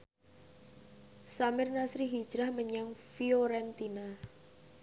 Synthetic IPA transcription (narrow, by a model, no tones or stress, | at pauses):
samɪrnasɾiɦid̥ʒ̥ɾahməɲaŋfioɾɛnt̪ina